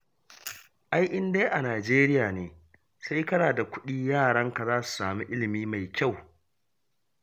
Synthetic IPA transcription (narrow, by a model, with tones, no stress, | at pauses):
ʔa˦jʔɪ˦ndeː˦ʔa˨naː˨d͡ʒeː˦ɾɪ˦jaː˨neː˨ | sa˦jkɐ˦naː˨da˨kʷʊ˦ɗiː˦jaː˦˨ɽɐ˦ŋka˨zaː˦su̥˨saː˨mu˦ʔɪ˦lɪ˨miː˦ma˨jkʲa˦˨w